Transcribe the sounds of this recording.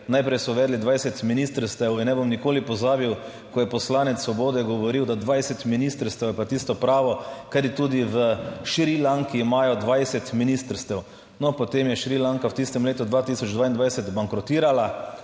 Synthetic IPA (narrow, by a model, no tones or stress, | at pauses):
najpɾɛjsɔʋɛːd̪lid̪ʋajsɛt̪minist̪əɾst̪ɛwinnɛbomnikoːlipɔzaːbiw | kɔjɛpɔslaːnɛt̪ssʋɔboːd̪ɛɡɔʋɔɾiwd̪ad̪ʋajsɛt̪minist̪əɾst̪ɛwjɛpat̪ist̪ɔpɾaːʋɔkad̪it̪uːd̪iʋəʃɾilaŋkiːmaːjɔd̪ʋajsɛt̪minist̪əɾst̪ɛw | nɔpɔt̪emjɛʃɾilaŋkawt̪ist̪ɛmleːt̪ud̪ʋaːt̪isɔd͡ʒd̪ʋaːind̪ʋajsɛt̪baŋkɾɔt̪iːɾala